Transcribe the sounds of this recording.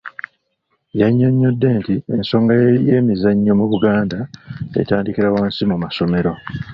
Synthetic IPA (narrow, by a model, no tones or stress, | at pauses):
jaɲːo̞ɲːo̞dːe̞ːntienso̞ːŋɡaje̞ːmizaɲːo̞muβuɡaːndaḛtaːndikiɾawaːnsimumaso̞me̞ɾo̞